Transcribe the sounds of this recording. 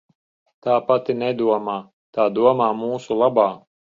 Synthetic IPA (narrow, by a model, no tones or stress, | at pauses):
t̪aːpat̪inɛd̪uɔmaː | t̪aːd̪uɔmaːmuːsulˠabaː